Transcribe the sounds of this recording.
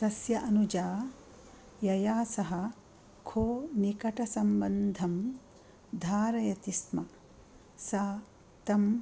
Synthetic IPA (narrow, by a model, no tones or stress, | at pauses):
t̪ɐsjɐʔɐnud͡ʒaː | jɐjaːsɐɦɐ̆ | kʰoːnikɐʈɐsɐmbɐnd̪ʱɐm | d̪ʱaːɾɐjɐt̪ismɐ | saː | t̪ɐm